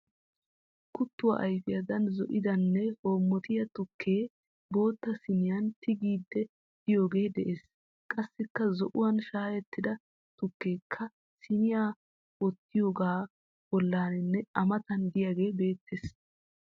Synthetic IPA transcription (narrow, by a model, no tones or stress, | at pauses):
kʊt̪ːʊwa̰ʔɐjfɪjɐd̪ɐnzɔ̰ʔɪd̪ɐnːɛho̞ːmːɔt̪ɪjɐt̪ʊkʰːe̞ː | bo̞ːt̪ːɐsɪnɪjɐnt̪ɪɡiːd̪ːɛ | d̪ɪjo̞ːɡe̞ːd̪ɛʔe̞ːs | kʼɐsːɪkːɐzɔʔʊwɐnʃaːjɛt̪ːɪd̪ɐ | t̪ʊkːe̞ːkʰːɐ | sɪnɪjaː | wɔt̪ːɪjoːɡaː | bɔlːaːnɪnːɛɐmɐt̪ɐnd̪ɪjaɡe̞ːbe̞ːt̪ːes